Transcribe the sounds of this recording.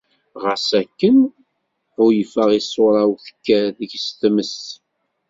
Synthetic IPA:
ʁəsækːən | ʊjəfəʁisˤːʊɾˤɑwθə̥kːæðəʝst̪məs

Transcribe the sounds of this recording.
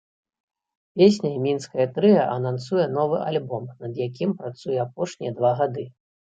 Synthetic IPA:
pʲesʲnʲɐmʲinskɐjɐt̪ɾɨjɐʔɐnansujɛnɔvɨʔalʲbɔmnɐd̪jak̬ʲimpɾat̪sujɛapɔʂnʲijɐd̪vaɣad̪ɨ

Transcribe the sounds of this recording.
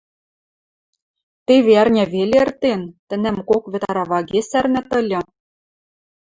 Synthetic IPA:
t̪eβeærnʲæβelʲeɘ̆rt̪ent̪ɘ̆næmkokβɘ̆t̪ɑɑɾɑβɑɣesærnæ̆t̪ɤ̆lʲɤ̆

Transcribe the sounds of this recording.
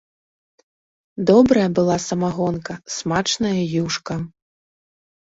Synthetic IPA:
d̪ɔbɾɐjɐbɨlˠasɐmaɣɔnkɐsmat͡ʂnɐjɐjuʂkɐ

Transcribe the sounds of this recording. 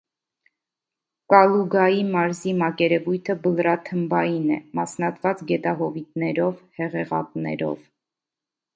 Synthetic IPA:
kɑluɡɑjimɑɾzimɑkɛɾɛvujt̪ʰəbəlɾɑt̪ʰəmbɑjinɛ̰mɑsnɑt̪vɑt͡sɡɛt̪ɑɦɔvit̪nɛɾɔvhɛʁɛʁɑ̰p̪nɛ̰ɾɔ̰v

